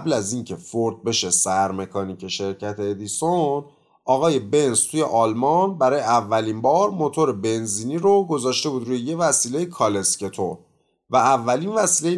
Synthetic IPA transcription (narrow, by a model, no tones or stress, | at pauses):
blæziŋcʰe̞foɾd̪̚be̞ʃe̞sæɾme̞kʰɒːniːce̞ʃe̞ɾcʰæt̪ʰeːd̪ison | ʔɒːɣɒːje̞be̞nst̪ʰuːje̞ʔɒːlmɒnbæɾɒːjeʔævːæliːmbɒːɾmo̞t̪ʰo̞ɾebe̞nziːniɾoɡo̞zɒːʃt̪e̞buːd̪ɾuːjeje̞væsiːle̞jekʰɒlesce̞t̪ʰo | væːvːælinvæsiːle